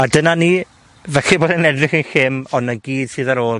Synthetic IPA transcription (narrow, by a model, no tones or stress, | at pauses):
adənaniː | vɛɬiboːdənɛdrɪχənxɪmɔnəɡiːd̥sɨːðaɾoːlˠ